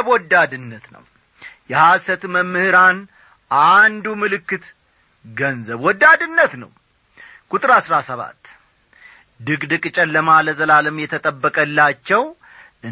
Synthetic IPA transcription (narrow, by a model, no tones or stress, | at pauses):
βwɔd̪ːad̪ɨnːət̪nə̰w | jɛhasət̪məmːɨhɨɾan | ʔand̪umɨlɨkːɨt̪ | ɡənzəβwɔd̪ːad̪ɨnːət̪nəw | kʼut̪ʼɨɾasɾasəβa̰t̪ː | d̪ɨkd̪ɨkʼɨt͡ʃʼɛlːəmaləzəlaləmjɛt̪ʰət̪ʼəbːəkʼəlːat͡ʃːɛw | ʔɨ